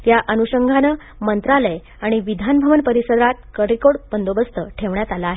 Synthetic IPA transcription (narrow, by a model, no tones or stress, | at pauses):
t̪jaʔənuɕəŋɡʱanə | mənt̪ɾaləj | aɽ̃iʋid̪ʱanbʱəʋənpəɾisəd̪at̪̚kəɾikoɽpənd̪obəst̪əʈʰeʋɳjat̪alaːɦe